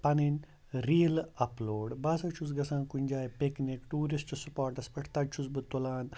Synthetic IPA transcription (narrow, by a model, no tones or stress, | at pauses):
pɐninʲ | ɾiːlɐploːɖbɐsɐt͡ʃʰus̬ɡɐsãːnkunʲd͡ʒaːjpeknikʈuːɾist͡ʃɐsupaːɾʈɐspɐʈʰt̪ɐt͡ʃʰuzbɨt̪ulaːn